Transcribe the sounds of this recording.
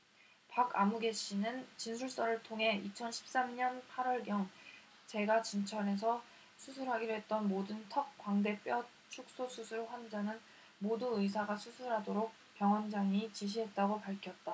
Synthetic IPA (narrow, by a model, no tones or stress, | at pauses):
pakʰamuɡe̞ɕ͈ʰinɯnt͡ɕinsʰuɭs͈ʌɾɯɭtʰoŋɦe̞it͡ɕʰʌnɕʰi̥p̚s͈amɲʌnpʰaɾwʌɭɡjʌŋ | t͡ɕe̞ɡat͡ɕint͡ɕʰʌne̞s̬ʰʌ | sʰusʰuɾɦaɡiɾɦe̞t̚t͈ʌnmodɯntʰʌk̚k͈waŋde̞p͈jʌ | t͡ɕʰuk̚s͈osʰusʰuɭɸwand͡ʑaŋɯn | moduɯis̬ʰaɡasʰusʰuɾɦadoɾok̚ | p͈jʌŋwʌnd͡ʑaŋit͡ɕiɕ̬ʰiɦe̞t̚t͈aɡopaɭkʰjʌt̚t͈a